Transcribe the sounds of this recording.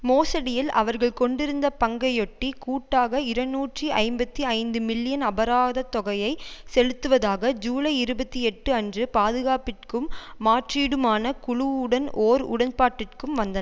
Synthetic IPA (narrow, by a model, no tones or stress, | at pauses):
moːsɐɽɪjɪlʔɐ̰ʋɐɾɣɐɭkɔɳɖɪɾɯnd̪ɐpɐŋɡɐjɔʈːikuːʈːaːɣɐɪɾɐnːuːʈriʔɐɪmbɐt̪ːiɐɪnd̪ɯmɪlːɪjɐnɐbɐɾaːðɐt̪ːɔɣɐjɐɪsɛɻɯt̪ːɯʋɐðaːɣɐd͡ʒuːɭɐɪɪɾɯbɐt̪ːiɛʈːɯɐndrɯpaːðɯɣaːpɪrkɯmːaːʈriːɽɯmaːnɐkʊɻʊʊɽɐnʔoːɾʊ̰ɽɐnpaːʈːɪrkɯmʋɐnd̪ɐɐ